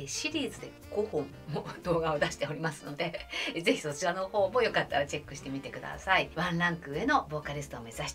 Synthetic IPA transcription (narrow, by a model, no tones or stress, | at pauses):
ɕiɾʲiːzɨd̪e̞ | ɡ̥o̞hõ̞mːod̪o̞ːɡao̞d̪aɕi̥t̪e̞o̞ɾʲimasɨno̞d̪e̞ze̞çi̥so̞t͡ɕiβano̞ho̞ːmo̞jo̞kat̪ːaɾat͡ɕe̞kːɯ̟ɕi̥t̪e̞mʲit̪e̞kɯ̟d̪a̰saiβãnɾãŋkɯ̟ːe̞no̞bo̞ːkaɾʲesɨ̥t̪oːme̞zaɕi̥t̪